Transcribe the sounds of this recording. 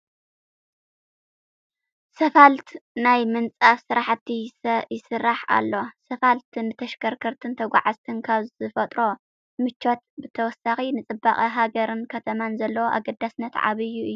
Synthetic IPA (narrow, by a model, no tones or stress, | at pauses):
sɐfalt̪najmɨnt͡sʼafsɨɾaħt̪ʰːisɐjɪsɨrːaħa̰lːo̞sɐfalt̪ʰɨnːɨt̪ʰɐʃkʰɐɾkʰɐɾt̪ʰɨnt̪ʰɐɡʷa̰ʕazt̪ʰɨnkʰaβzɨfɐt̪ʼɾo̞ | mɨt͡ʃːo̞t̪bɨt̪ʰɐwɔsːaxinɨt͡sʼɨbaχʼiɦaɡɐɾɨnkʰɐt̪ʰɐmanzɐlːɐwoʔa̰ɡɐd̪ːasnːɐt̪ʕa̰βɨjːuɨjːu